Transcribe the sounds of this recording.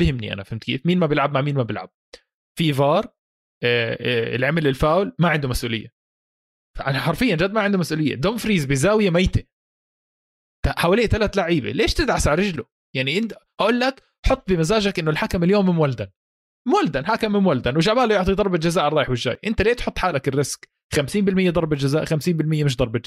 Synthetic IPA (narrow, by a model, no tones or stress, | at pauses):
bɪhɪmnḭʔa̰nafɪhɪmt̪kḛːfmiːnmabɪlʕab̚maʕmiːnmabɪlʕa̰b̚ | fivɑːɾˤ | ɪ̰lʕamɪlɪlfaːwlmaʕɪnd̪umasʔuːlɪ̰jːa̰ | faʔanaħɑɾˤfɪjːand͡ʒaːd̪̚maʕɪnd̪ʊmasʔuːlɪjːa̰d̪oːmfɾiːzbɪzaːwɪjamajt̪e | t̪aʔħawaːleːʔt̪alat̪laʕiːba̰leːʃt̪ɪd̪ʕasʕaɾˤɪd͡ʒlʊ | jaʕniʔɪnʔaʔuːlːak | ħʊt̪ˤːbɪmazaːʒakʔɪnːʊlħakamɪljoːmːɪmwald̪an | mwald̪anħakamːɪmwald̪anwɪʃaʕbaːljʊʕt̪ˤid̪ˤɑɾˤbald͡ʒazaːʔɾrˤɑːjɪħwɪʒːa̰ːjʔɪnt̪aleːt̪ħʊt̪ˤːħaːlakɪrːɪsk | xamsiːmbɪlmɪjːad̪ˤɑɾˤbald͡ʒazaːʔxamsiːmbɪlmɪjːamɪʃ̬d̪ˤɑɾˤba